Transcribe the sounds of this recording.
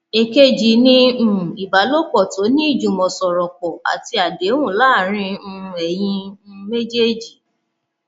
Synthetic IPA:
e˨ke˦d͡ʒi˨nĩ˦˨i˨ba˨˦lo˦k͡pɔ˦˨to˨˦nĩ˦i˦˨d͡ʒũ˨mɔ̃˨sɔ˨ɾɔ˨kɔ˨a̰˨ti˧˦a˨de˨˦wũ˦˨la˦˨ɾ̃ĩ˧˦˧ɛ˨j̃ĩ˧˦˧me˦d͡ʒe˦d͡ʒi˨

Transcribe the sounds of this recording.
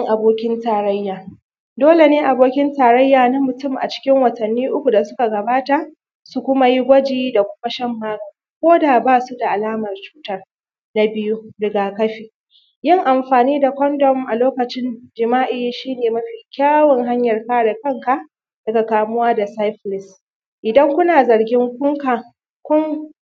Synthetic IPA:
ŋʔa˨boː˦kʲɪ˦ntaː˨ɾɐ˦jːaː˨ | doː˦le˨neː˦ʔa˨boː˦kʲɪ˦ntaː˨ɾɐ˦jːaː˨na˦mʊ˨tʊ˦mʔa̰˨t͡ʃɪ̥˦kʲɪ˦ŋwɐ˨tɐ˨nːiː˦ʔʊ˦kʷu˨da˨sʊ˦ka˨ɡɐ˨baː˦ta˨ | su˨kʷʊ˦ma˦ji˦ɡʷɐ˦d͡ʒiː˦da˨kʷʊ˦ma˦ʃɐ˦mːaː˦ka˨˦kʷoː˦da˨baː˦su˦da˨ʔa˨laː˦mɐ˨rt͡ʃu̥ː˦tɐ˦r | na˦bɪ˦ju˦dɐ˨ɡaː˨kɐ˦ɸiː˨ | jɪ˦ŋʔa˨mɸaː˨niː˦da˨kʷɔ˦ndɔ˨mʔa˨loː˦kɐ˨t͡ʃɪ˦nd͡ʒɪ˨maː˦ʔɪ˦jʃiː˦neː˨mɐ˦ɸi˨kʲaː˦wɐ˨ŋɦa˦ɲjɐ˨rkaː˦ɽa˨kɐ˦ŋka˦˨ | d̥ɐ˦ka˨kaː˨mʊ˦waː˦da˨sa˦jɸlɪ˨s | ʔɪ˨dɐ˦ŋkʷʊ˦naː˨zɐ˨rɡʲɪ˦ŋkʷʊ˦ŋka˨ | kʷʊ˦ŋ

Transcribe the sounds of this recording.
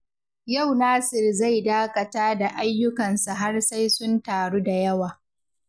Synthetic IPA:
ja˦˨wnaː˦sɪ˨rza˦˨jdaː˦kɐ˨taː˦da˨ʔa˦jːʊ˦kɐ˨nsa˨ɦa˦rsa˦jsʊ˦ntaː˨ɽuː˦da˨jɐ˦waː˨

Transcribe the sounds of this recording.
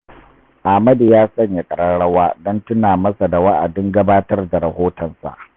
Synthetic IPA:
ʔa˨mɐ˦djaː˦sɐ˦ɲja˨kʼɐ˨ɽɐ˦ɽɐ˦waː˦dɔ˦ntʊ˦naː˨mɐ˦sa˨da˨wa˦ʔa˨dɪ˦ŋɡɐ˦baː˦tɐ˦rda˨ɾɐ˨hoː˦tɔ˨nsa̰˨ʔ

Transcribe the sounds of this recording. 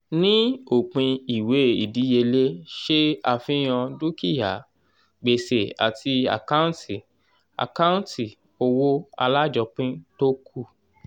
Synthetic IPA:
nĩ˦o˨k͡pĩ˧i˨we˨˦ḭ˨di˨˦je˧le˦ʃe˦a˧fĩ˦j̃ɔ̃˧du˦ki˦˨ja˨˦ | ɡ͡be˨se˨a̰˨tʰi˧a̰˨ka˦ũ˦ti˨ | a̰˨ka˦ũ˦nti˨ | o˧wo˦a̰˧la˦d͡ʒɔ˧k͡pĩ˦to˦kʰu˦˨

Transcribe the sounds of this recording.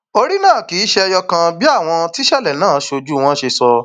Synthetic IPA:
o˧ɾi˦nãː˦˨ki˨˦ʃe˦ɔ˧jɔ˧kã˧bi˦a˦˨w̃ɔ̃˧ti˦ʃɛ˦˨lɛ˨nãː˦˨˦ʃo˧d͡ʒu˦˧w̃ɔ̃˦ʃe˧sɔ˧

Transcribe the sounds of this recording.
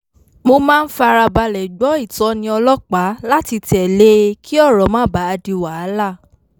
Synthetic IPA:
mo˧mãː˦˧n̩˦fa˧ɾa˧ba˧lɛ˨ɡ͡bɔ˨˦i˦˨tɔ˨˦nĩ˧ɔ˧lɔ˦k͡pa˨˦la˦ti˧tɛ˨le˦kʰi˦ɔ˦˨ɾɔ˨mãː˦˨ba˨˦a˧di˧wa˨˦la˦˨

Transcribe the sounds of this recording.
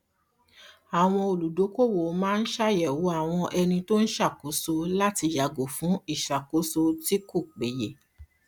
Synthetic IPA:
a˨w̃ɔ̃˧o˨lu˨do˨˦ko˦˨wo˨˦mãː˦n̩˦ʃa˦jɛ˨wo˨˦a˦˨w̃ɔ̃˧ʔɛ˧nĩ˧to˦n̩˦ʃa˦˨ko˨˦so˧la˦ti˧ja˨ɡo˨fũ˨˦i˦˨ʃa˨ko˨˦so˧ti˦ko˦˨k͡pe˨je˨

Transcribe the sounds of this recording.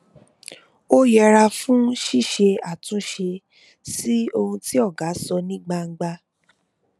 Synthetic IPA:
o˦jɛ˧ɾa˧fũ˦ʃi˦˨ʃe˧a˦˨tũ˨˦ʃe˧ | si˦o˧hũ˧ti˦ɔ˦˨ɡa˨˦sɔ˧nĩ˦ɡ͡ba˧ŋ̩˧ɡ͡ba˧

